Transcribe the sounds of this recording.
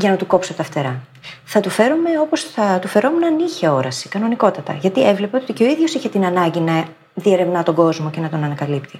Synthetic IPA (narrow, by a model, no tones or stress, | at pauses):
ʝɐnɐt̪uko̞psot̪ɐft̪e̞ɾɐ | θɐt̪ufe̞ɾome̞o̞po̞sθɐt̪ufe̞ɾo̞munɐniçeo̞ɾɐsi̥kɐno̞niko̞t̪ɐt̪ɐ̰ʝɐt̪ievle̞peot̪ice̞o̞iðʝo̞siçet̪inɐnɐɲɟinɐ | ðie̞ɾe̞vnɐt̪o̞ɡo̞zmo̞ce̞nɐt̪o̞nɐnɐkɐlipt̪i